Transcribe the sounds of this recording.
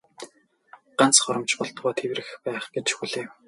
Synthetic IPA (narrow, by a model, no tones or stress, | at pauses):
ɢan̥t͡sχɔɾɞ̆mt͡ɕpɔɮt̪ʁʊːt̪ʰewrɘ̆xpæːχɡ̥et͡ɕʃxuɮeːw